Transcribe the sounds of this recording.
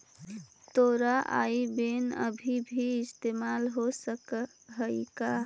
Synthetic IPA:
t̪oɾaʔa̰ibenə̰bʱibʱiːst̪emalɦosək | ɦəika

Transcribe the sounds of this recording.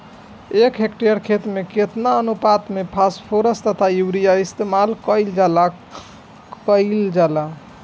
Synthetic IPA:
ekʰɦekʈejəɾkʰet̪ɾmeket̪naənupat̪mepʰaspʰoɾəst̪ət̪ʰajuɾijaist̪emalkəɪld͡ʒala | kəɪld͡ʒala

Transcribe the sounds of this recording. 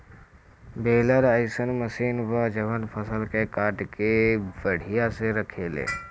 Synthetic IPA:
beːləɾɐjsənmɐsiːnʋaːd͡ʒɐʋənpʰɐsəlkeːkaːʈkebɐɽ̤ijaseɾɐkʰeːlḛː

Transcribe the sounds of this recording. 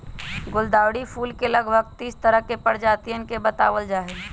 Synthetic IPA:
ɡʊld̪aːwɽipʰuːlkeləɡbʱəɡt̪iːst̪əɾəɦkepəɾd͡ʒaːt̪ijənkebət̪a̰ːwəld͡ʒaːɦe

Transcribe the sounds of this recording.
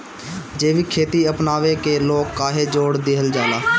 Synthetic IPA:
d͡ʒeːʋikʰeːt̪iəpnaːʋekeloːkːaːɦed͡ʒoːɽd̪eːɦəld͡ʒaːlaː

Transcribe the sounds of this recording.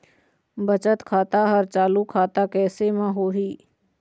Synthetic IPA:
bət͡ʃət̪kʰaːt̪aɦəɾt͡ʃaːlukʰaːt̪akɛːsemãɦoːɦiː

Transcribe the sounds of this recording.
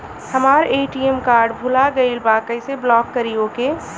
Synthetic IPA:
hɐmaːɾeːʈiemkaːɾɖbʱʊlaɡəilbaːkəɪseblɔːkːəɾiokeː

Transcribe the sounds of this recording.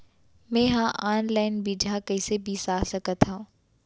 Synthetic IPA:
mẽːɦãʔaːnlaːɪnbiːd͡ʒʱakɐɪsebiːsaːsɐkət̪ɦã

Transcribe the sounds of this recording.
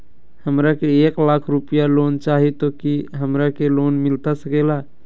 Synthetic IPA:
həmɾakeeklakʰɾupijalont͡ʃaɦit̪okiɦəmɾakelonmilt̪asəkela

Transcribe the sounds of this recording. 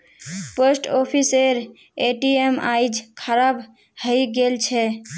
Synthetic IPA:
pəsʈɔpʰiseɾ | eʈiemaɪd͡ʒkʰəɾab | həjɡelt͡ʃʰɛ

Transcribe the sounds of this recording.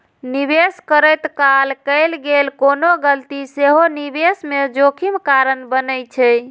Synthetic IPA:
nibeskəɾəjt̪kalkəɪlɡelkonoɡəlt̪iseɦonibesmed͡ʒokʰimkaɾənbənəjt͡ʃʰɛ

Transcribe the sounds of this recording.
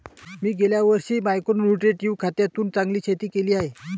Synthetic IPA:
miːɡeljaʋəɾɕimajkonnuʈɾeʈiuʋkʰat̪jat̪uːnt͡sãŋɡliːɕʰet̪iːkeliːaɦe

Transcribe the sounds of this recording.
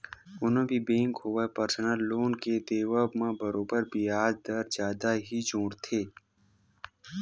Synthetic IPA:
ʊnõbʱibẽːŋkɦoʋapəɾsənəlːoːnked̪eːʋəbmãbɐɾoːbəɾbiaːd̪̚d̪əɾd͡ʒjaːd̪aɦid͡ʒũːɽt̪ʰeː

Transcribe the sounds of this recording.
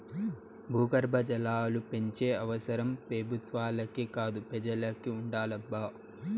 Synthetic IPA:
bʱuːɡɐɾbʱɐd͡ʒɐlaːlupe̞ɲt͡ʃeːɐʋɐsɐɾɐmpebʱut̪ʋaːlɐkikaːd̪upɛd͡ʒɐlɐkiuɳɖaːlɐbːaː

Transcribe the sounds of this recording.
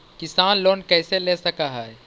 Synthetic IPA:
kɪsaːnloːnkɛːseleːsɐkaɦɛɛ

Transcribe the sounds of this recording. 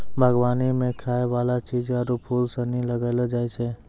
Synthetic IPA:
bʱəɡʋaːnimẽkʰaːeʋaːlat͡ʃiːd͡ʒaɾupʰuːlsənĩləɡaɪlad͡ʒaːet͡ʃʰe

